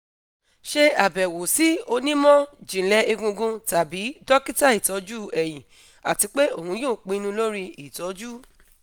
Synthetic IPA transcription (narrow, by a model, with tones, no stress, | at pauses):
ʃe˧a˨bɛ˨wo˨si˨˦o˧nĩ˦mɔ̃˦d͡ʒĩ˨lɛ˨˦e˧ɡũ˧ɡũ˧ta˨bi˨˦dɔ˦ki˦ta˦i˦˨tɔ˨˦d͡ʒu˦ɛ˨j̃ĩ˨ | a˨ti˧˦k͡pe˦o˦˨hũ˧˦joː˦˨k͡pĩ˨˧˦nũ˧lo˦ɾi˧i˨tɔ˨˦d͡ʒu˦